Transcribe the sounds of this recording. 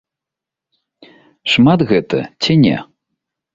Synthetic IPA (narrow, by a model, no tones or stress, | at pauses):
ʂmad̪ɣɛt̪ɐ̰t͡sʲinʲɛ̰